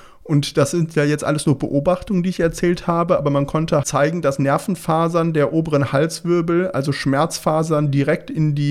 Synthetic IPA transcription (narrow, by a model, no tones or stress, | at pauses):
ʔʊntd̥asz̥ɪntʰjaːjɛt͡stʔa̰ləsnuːɐb̥əʔoːbaχtʊŋəndiːɪçɛɐt͡sɛːlthaːbəʔaːbɐmankʰɔntət͡saɪɡŋ̩d̥asnɛɐfn̩faːzɐndeːɐʔoːbəʁənhalsv̥ʏɐbl̩ʔa̰lzoʃmɛɐt͡sfaːzɐndiʁɛktɪndiː